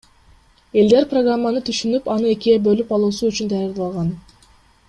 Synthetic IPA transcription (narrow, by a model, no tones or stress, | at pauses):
e̞ld̪e̞ɾproɡramːanɯt̪ʰyʃynypɑnɯe̞kʲiebø̞lypɑlˠuːsuyt͡ʃynd̪ɑjɑɾd̪ɑlˠʁɑn